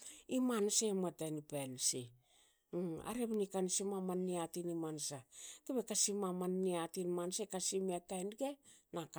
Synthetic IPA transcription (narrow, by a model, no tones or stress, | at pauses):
imansematajnipalsi | a̰ɾeβnikansimamanːiatinimansakeβekasimamanːiatinmansekasimeatajnɡenak